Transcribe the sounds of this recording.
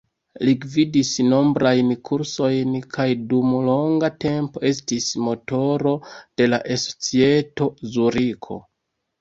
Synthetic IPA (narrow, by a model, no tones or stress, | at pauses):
liɡvidisno̞mbɾajnkʰuɾso̞jnkʰajdumlo̞ŋɡate̞mpo̞e̞stismo̞to̞ɾo̞d̥e̞laʔeso̥t͡sie̞to̞zuɾikʰo̞̰